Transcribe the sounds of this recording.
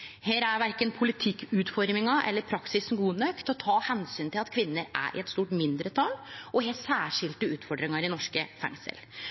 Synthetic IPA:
heːɾæɾʋæɾkənpʰʊlɪt̪ʰɪkːʉːt̪fɔɾmɪŋɑʔɛ̰lːəɾpʰɾɑksɪsn̩ɡuːnøkt̪ɔt̪ʰɑːhɛnsyːnt̪ʰɪlɑt̪kʰʋɪnːəɾʔæ̰ɾʔɪ̰ɛt̪st̪uːʈmɪnd̪ɾət̪ʰɑːlʔɔheːsæːʂɪlt̪əʉːt̪fɔɖɾɪŋɑɾɪnɔʂkəfɛ̰ŋsə̰l

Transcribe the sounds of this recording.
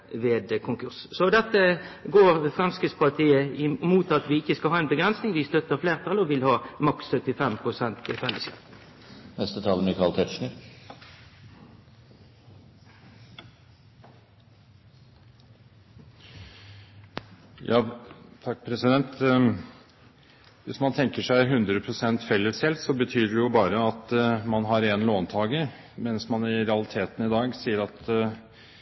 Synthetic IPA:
ʋeːd̪kʰʊŋkʉʁssɔd̪ɛt̪ːəɡoːʁfʁɛmskɪt̪spʰɑt̪ʰiːəɪmuːt̪ɑt̪ʋɪɪçːəskɑhɑːæɪnbəɡʁɛnsnɪŋʋɪst̪œt̪əʁfleːʁt̪ʰɑlɔʋɪlhɑːmɑkssœt̪ːɪfɛmpʰʁʊsɛnt̪ɪfɛlːəskɑ̰ːpnɛst̪ət̪ʰɑːlənəkʰɑlt̪ʰɛt̪ʃɳəɾ | jʔɑːt̪ʰɑkːpʰɾɛsɪd̪ɛnt̪ | ʋɪsmɑnt̪ʰɛŋkəʂæɪɦʉnd̪ɾəpʰɾʊsɛnt̪fɛlːəsɛlt̪sɔbət̪ʰyːɖɛjʊbɑːɾəɑt̪mɑnɦɑɾɛnloːnt̪ʰɑːɡə | mɛnsmɑnɪɾɛɑlɪt̪ʰeːt̪n̩ɪd̪ɑːɡsiːəɾɑt̪

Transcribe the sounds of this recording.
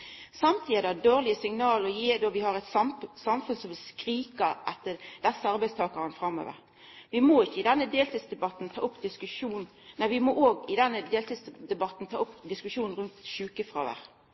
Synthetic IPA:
sɑmt̪ʰiːəd̪ɛhæɖoːʁlɪəsɪŋnɑːlɔjeːd̪oʋɪhɑʁɛɪt̪sɑmfʉnsɔmʋɪlskɾiːkɑʔɛt̪ːəd̪̥ɛsːəɑɾbɛɪst̪ʰɑːkɑʁənfʁɑmːø̰ːʋə̰ʁ | ʋɪmoːɪçːəɪd̪ɛnːəd̪eːlt̪iːd̪sd̪ɛbɑt̪n̩t̪ʰɑ̰ːʔʊpːd̪ɪskʉʂuːn | æɪʋɪmoʔoːɡɪd̪ɛnːəd̪eːlt̪iːsd̪ɛbɑt̪n̩t̪ʰɑːʊpd̪ɪskʉʂuːnn̩ɾʉnt̪ʃʉːkəfʁo̰ːʋə̰ʁ

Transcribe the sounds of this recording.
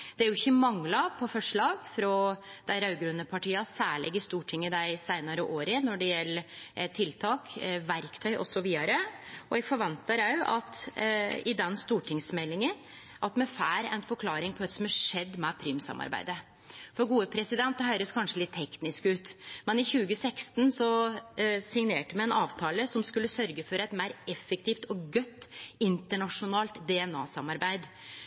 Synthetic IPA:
d̪̥ɛæɾjʊɪçːəmɑŋlɑpʰɔfɔʂɭɑːɡfɾɔd̪̥æɪɾɑʉɡɾʉnːəpʰɑʈʰiːɑsæːɭɛ̰ɡəst̪uːʈʰɪŋːəd̪æɪsæɪnɑɾəʔoːɾənɔɖɛjɛlːt̪ʰɪlt̪ʰɑːkʋæɾkt̪ʰœʏʔɔ̰sɔʋiːd̪ɑɾəɔɛɡfɔɾʋɛnt̪ɑɾɑʉɑ̰t̪ | ɪd̪ɛnst̪uːʈʰɪŋsmɛlːɪŋən | ʔɑt̪mɛfæːɾæ̰ɛ̰nfɔɾkʰlɑːɾɪŋpʰɔʋɛt̪sɔmæʂɛd̪ːmɛpʰɾyːmsɑ̰mɑ̰ɾbæ̰ɪd̪ə | fɔɾɡuːəpʰɾɛsɪd̪ɛnt̪d̪ɦœʏɾəskʰɑnʂəlɪt̪ʰːɛknɪskʉːt̪mɛnɪçʉːɡəsɛkst̪n̩sɔ | sɪŋneːʈəmæɪɛnɑːʋt̪ʰɑːləsɔmskʉlːəsœɾɡəfɔɾɛɪt̪mæɪɾɛfːɛkt̪ʰiːft̪ɔɡœt̪ːɪnt̪əɳɑʂʊnɑːlt̪d̪ɛɛnɑ̰ːsɑmɑɾbæɪd̪

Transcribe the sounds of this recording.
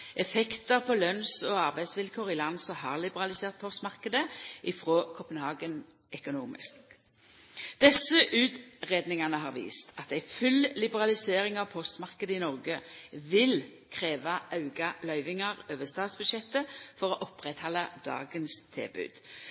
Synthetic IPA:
ʔɛfɛkt̪əʁpʰɔlœnsɔɑʁbæɪsʋɪlkʰoːʁɪlɑnsɔhɑːʁlɪbəʁɑlɪseːʁt̪̚pʰɔst̪mɑʁkəd̪əʔɪfʁoːkʰɔpənhɑːɡən | œkʊnuːmɪ̰sk | d̪̥ɛsːəʔʉːt̪ʁeːd̪nɪŋɑnəɦɑʁʋḭːst̪ʰɑt̪æɪfʉllɪbəʁɑlɪseːʁɪŋɑʋpʰɔst̪mɑʁkəd̪əɪnɔʁɡəʋɪl | kʰʁeːʋɑʔɑʉɡɑlœʏʋɪŋɑʁøːʋəst̪ɑːd̪sbʉd̪ʃjɛt̪ːəfɔʁɔʔɔpʁɛt̪hɑlːɑd̪̥ɑ̰ːɡənst̪ʰɪ̰lbʉ̰ːd̪̥

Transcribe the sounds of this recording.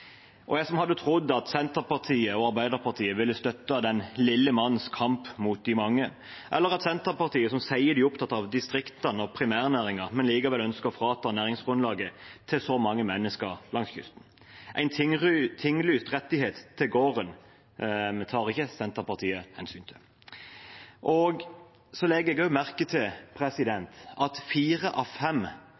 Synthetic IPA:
ʔɔjæɪsɔmhɑd̪ːət̪ʰɾʊd̪ːɑt̪sɛnt̪əpɑʁt̪ʰiːəɔɑʁbæɪd̪əɾpʰɑʁt̪ʰiːəʋɪlːəst̪œt̪ːəd̪ɛnlɪlːəmɑnːn̩skʰɑmpmuːt̪̚d̪ɪmɑŋːə | ʔɛlːəɾɑt̪sɛnt̪əpɑʁt̪iːəsɔmsæɪəb̪ɪːʊpt̪ʰɑt̪ːɑʋd̪ɪst̪ʁɪkt̪ənɔpʰɾɪmæːʁnæːɾɪŋəʁmɛnliːɡəʋɛlœnskəfʁɑːt̪ʰɑːnæːʁɪŋsɡ̥ʁʉnlɑːɡət̪ʰɪlsɔmɑŋːəmɛnːəskəʁlɑŋsçʉ̰st̪n̩ | ʔæɪnt̪t̪ʰɪŋːlyːst̪ʁɛt̪ːɪheːt̪ʰːɪɡoːʁən | t̪ʰɑːʁɪçːəsɛnt̪əpɑʁt̪ʰiːəhɛnsyːnt̪ʰɪ | ʔɔɡ | sɔlɛɡəɛɡœmæʁkət̪ʰɪlpʰɾɛsɪd̪ɛnt̪ʔɑt̪fiːɾəʔɑʋfɛm

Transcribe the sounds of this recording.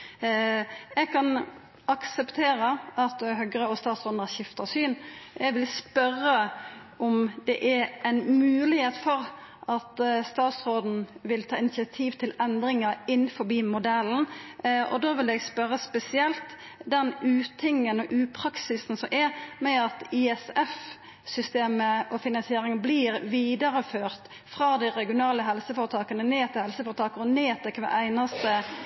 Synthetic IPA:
ɛɡkʰɑn | ɑksəpt̪ʰeːɾəʔɑt̪ɦœɡəɾəɔst̪ɑːt̪sʁoːd̪næʃɪft̪əsyːnɛɡʋɪlspœɾə | ʔɔmd̪ɛʔæɛɪnmʉːlɪheːt̪fɔɾ | ʔɑt̪st̪ɑːt̪sɾoːd̪n̩ʋɪlt̪ʰɑːɪnɪt̪sɪɑt̪ʰiːʋt̪ʰɪlɛnd̪ɾɪŋəɾɪnːfɔɾbiːmʊd̪ɛln̩ɔ̰d̪oːʋɪlɛːɡspœɾəspɛsɪɛlt̪ | d̪ɛnʉːt̪ʰɪŋːənɔʔʉːpʰɾɑksɪsn̩sɔmʔɛmɛɑt̪ɪɛsɛf | sʏst̪eːməʔɔfɪnɑnsɪeːɾɪŋbliːɾʋiːd̪ɑɾəføːʁt̪ | fɾɑːd̪æɪɾɛɡɪʊnɑːləɦɛlsəfoːɾət̪ʰɑːkənəneːt̪ʰɪlhɛlsəfɔːɾət̪ʰɑːkəɔneːt̪ʰɛkʰʋɑ̰ːʔæɪnɑst̪ə

